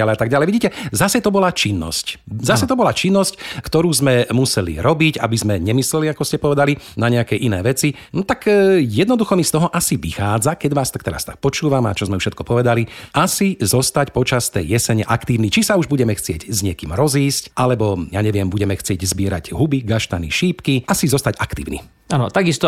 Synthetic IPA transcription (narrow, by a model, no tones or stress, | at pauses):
alɛjat̪aɡ̚ɟalɛjʋiɟiːcɛzasɛt̪ɔbɔlat͡ʃinːɔ̰sczasɛt̪ɔbɔlat͡ʃinːɔsckt̪ɔɾuːzmɛmusɛlḭɾɔbica̰bizmɛɲɛmislɛliakɔscɛpɔʋɛd̪alinaɲɛakɛʔinɛːʋɛt͡si | nɔt̪akjɛd̪nɔd̪uxɔmist̪ɔɦɔʔasiʋixaːd͡zakɛɟʋaːst̪ak̚t̪ɛɾa̰st̪ak̚pɔt͡ʃuːʋama̰t͡ʃɔzmɛufʃɛt̪̚kɔpɔʋɛd̪aliasizɔst̪acpɔt͡ʃast̪ɛjːɛsɛɲɛʔakt̪iːʊnit͡ʃisauʒbuɟɛmɛxt͡sɪɛɟzɲɪɛkḭːmɾɔziːscʔalɛbɔjaɲɛʋɪɛmbuɟɛmɛxt͡sɪɛɟzbiɪɛɾa̰ɟɦubiɡaʃt̪anḭʃiːpkiasizɔst̪aɟakt̪ḭːʊnḭ | anɔ̰t̪aɡist̪ɔ